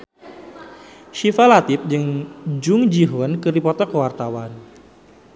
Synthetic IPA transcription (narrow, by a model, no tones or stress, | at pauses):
ʃifalat̪ɪp̚d͡ʒɨŋd͡ʒʊŋd͡ʒiɦɔnkɨrdipɔt̪ɔkəwart̪awan